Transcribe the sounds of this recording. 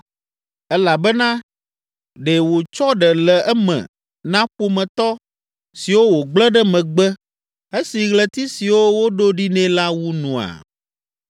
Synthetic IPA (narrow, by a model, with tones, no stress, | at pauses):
ɛ˦la˨bɛ˦nã˦ | ɖe˨wo˨t͡ʃɔ˦ɖɛ˨lɛ˨ɛ˦mɛ̰̃˨ | nã˦ɸo˦mɛ̃˨t̪ɔ˦ | si˨wo˦wo˨ɡ͡blɛ̃˦ɖɛ˦mɛ̃˨ɡ͡bɛ˦ | e˦si˨ɣlɛ˨t̪i˦si˨wo˦wo˦ɖo˦ɖi˦nɛ̃˦la˦wu˦nũ˨a̰˨